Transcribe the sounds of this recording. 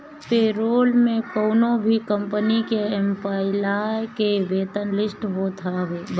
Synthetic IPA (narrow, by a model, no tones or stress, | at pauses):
peːɾoːlmẽkoːnõbʱikə̃mpənikeɛmpʰaːɪlakeʋeːt̪ənlɪsʈɦot̪ʰaɦeːb